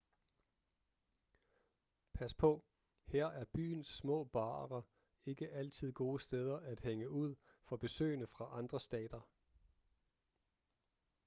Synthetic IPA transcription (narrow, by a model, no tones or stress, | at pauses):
pʰæspʰɒ̽ | heɐ̰æɐb̥y̰ːnsːmɔ̰̽ːb̥ɑ̈ːʁɐ | e̝ɡ̥əʔæl̰t͡sʰið̞̰ˠɡ̥o̝ːəsd̥eð̞ˠɐʔæd̥heŋəuð̞̰ˠ | fɒ̽b̥e̝sø̰ːnəfʁɑ̈ʔɑ̈nd̥ʁɐsd̥ɛ̰ːd̥ɐ